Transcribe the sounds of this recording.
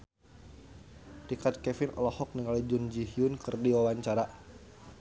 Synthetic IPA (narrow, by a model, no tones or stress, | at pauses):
dikat̪̚kɛfɪnʔɔ̰lɔhɔk̚niŋalid͡ʒund͡ʒiɦiʊnkɨrdiwawaɲt͡ʃaɾa